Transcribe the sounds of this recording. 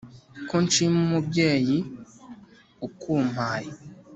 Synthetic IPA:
kont͡ʃimumubjeːji | ukʰuːm̥haːji

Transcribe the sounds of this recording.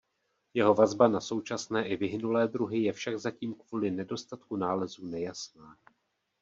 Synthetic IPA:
jɛɦo̞vazbanaso̞wt͡ʃasnɛːʔɪvɪɦɪnulɛːd̪ɾuɦɪjɛfʃaɡzaciːmkvuːlɪnɛdo̞st̪at̪kunaːlɛzuːnɛjasnaː

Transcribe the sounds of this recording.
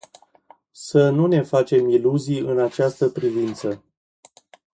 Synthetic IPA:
sənune̞fat͡ʃe̞miluzijɨnat͡ʃast̪əpɾivint̪sə

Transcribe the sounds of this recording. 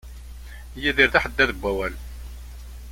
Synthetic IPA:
jiðiɾðaħəd̪ːæðəbʷːæwæl

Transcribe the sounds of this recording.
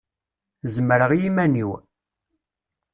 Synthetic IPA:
zəməɾəʁjimæniw

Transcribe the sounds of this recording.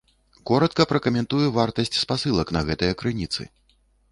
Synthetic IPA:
kɔɾɐt̪̚kɐpɾɐkɐmʲɛnt̪ujɛvart̪ɐsʲt͡sʲspasɨlˠɐknɐɣɛt̪ɐjɐkɾɨnʲit̪sɨ̰

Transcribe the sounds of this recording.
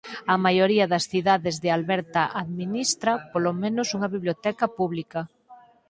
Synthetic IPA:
ɐmajoɾiɐðɐsθiðaðezðealβɛɾt̪ɐʔaðminist̪ɾɐpolomẽnosuŋɐβiβljot̪ɛkɐpuβlikɐ

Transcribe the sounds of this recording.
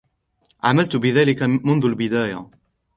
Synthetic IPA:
ʕa̰malt̪bɪðaːlɪkamʊnðʊlbɪd̪aːja̰

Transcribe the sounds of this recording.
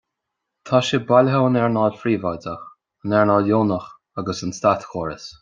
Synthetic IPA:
t̪ʰaʃɪbalʲɦoənɛɹnɑːlfɾiːvaːdəx | ənɛɹnɑːljoːnəx | aɡəsənst̪at̪xoːɹə̰s

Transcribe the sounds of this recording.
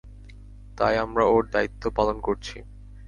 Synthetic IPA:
t̪ajamɾaoɾd̪ait̪ːopalonkoɾt͡ɕʰi

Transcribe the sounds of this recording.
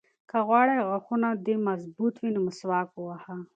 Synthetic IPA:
kaɣwɑɽajɣaxunad̪emazbut̪winoməswɑːkwʊwaha

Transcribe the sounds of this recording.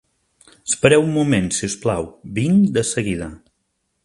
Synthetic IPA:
əspəɾɛwumːumensiusplawβiŋd̪əsəɣiðə

